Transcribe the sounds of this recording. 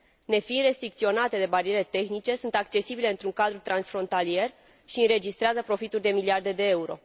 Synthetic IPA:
ne̞fiɾe̞st̪ɾikt̪sio̞nat̪e̞d̪e̞baɾie̞ɾe̞t̪e̞xnit͡ʃe̞sunt̪ak̚t͡ʃe̞sibile̞ɨnt̪ɾuŋkad̪ɾut̪ɾansfɾo̞nt̪alie̞r | ʃiɨnɾe̞d͡ʒist̪ɾeazəpɾo̞fit̪urʲd̪e̞miliard̪e̞d̪e̞euɾo̞̰

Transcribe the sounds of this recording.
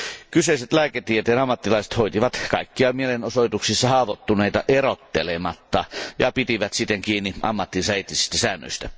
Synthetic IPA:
kyseˑiset̪læːket̪iet̪eːnɑmːɑt̪ːilɑˑise̥t̪hoit̪iʋɑt̪kɑikːiɑmielenosoˑit̪uksisːɑhɑːʋot̪ːuneˑit̪ɑʔerot̪ːelemɑt̪ːɑjɑ̰pit̪iʋæt̪sit̪ːeŋkiːnːiʔɑ̰mːɑt̪ːinsæit̪ːisist̪æsæːnːø̰ist̪æ

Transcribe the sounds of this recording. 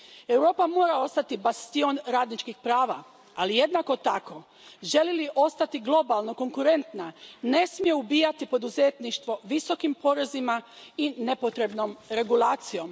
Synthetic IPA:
e̞wɾo̞ːpamo̞ːɾao̞st̪at̪ibast̪io̞nɾaːd̪nit͡ʃkixpɾaːʋa | alije̞d̪nako̞t̪ako̞ | ʒe̞liliʔo̞st̪at̪iɡlˠo̞balˠno̞ko̞ŋkuɾe̞nt̪nane̞smijeubiːjat̪ipo̞d̪uze̞ːt̪niʃt̪ʋo̞ʋiso̞kimpo̞ɾe̞zimaine̞po̞t̪ɾe̞bno̞mɾe̞ɡulaːt̪sijo̞m

